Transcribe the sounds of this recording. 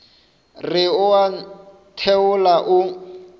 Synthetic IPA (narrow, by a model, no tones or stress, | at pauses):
rɪʊa | tʰɛʊlaʔʊ